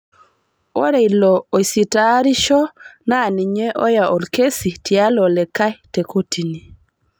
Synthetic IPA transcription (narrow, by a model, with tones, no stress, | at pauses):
o˦ɾe˨ilɔ˨o˨si˨ta˦ɾi˦ʃɔ˦na˦˨ni˨ɲe˦ʔɔ˦ja˨ʔɔ˨lke˦si˨tja˦lɔ˨lɛ˨ka˦jte˨kʰo˦ti˨ni˨